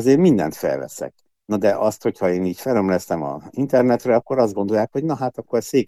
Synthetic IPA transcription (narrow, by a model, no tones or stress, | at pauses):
zeːrmind̪ɛ̰nt̪fɛ̰lvɛ̰sɛ̰k̚ | nɒd̪ɛʔɒst̪ho̞chɒeːniːcfɛlømlɛst̪ɛmɒ̰int̪ɛrnɛt̪rɛɒkːo̞ɾɒzd̪ɡo̞nd̪o̞jaːkho̞ɟnɒɦaːt̪ɒkːorseːk